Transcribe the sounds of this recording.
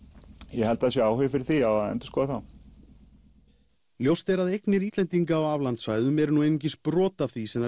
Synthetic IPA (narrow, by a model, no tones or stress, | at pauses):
jɛhɛlt̪aðsjɛaːwhʏvfɪɾɪɾ̥θiawaðɛ̰nt̪ʏskɔːðaθaw | ljowst̪ɛɾaðejknɪɾiːt̪lɛnt̪iŋkaawavlant̪svajðʏmɛɾʏnuejniɲcɪspɾɔːt̪afθisɛmða